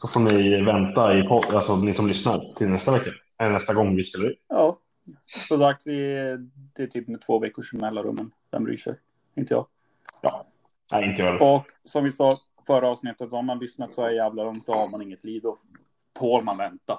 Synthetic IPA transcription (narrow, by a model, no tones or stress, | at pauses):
sɔfoːnɪvɛnt̪aɪpʰɔd̪alsɔnɪsɔmlʏsna̰ɾt̪ʰɪlnɛst̪avɛkːa | nɛst̪aɡɔŋːvɪskɵlːeːjɑː | sɔmsak̚t̪vɪd̪̥ɛæʈ̪ʰyːpmɛt̪ʰvoːvɛkːʊʂɔmnɛlːaɾɵ̰mːənd̪ɛ̰mbɾy̰ːʂɛ̰j | t̪ʰɛŋt̪əjɑ̰ːɡ | jɑ̰ː | næ̰ɪnt̪əjœːdəɔksɔmvɪsɑː | fœɾəɑːvsnɪt̪ːət̪hamanlʏsnat̪sɔæɾjæːvlalɔŋt̪̚d̪ɔhaɾmanɪŋːət̪ʰliːvd̪ɔ | t̪ʰoːɾmanvɛnt̪a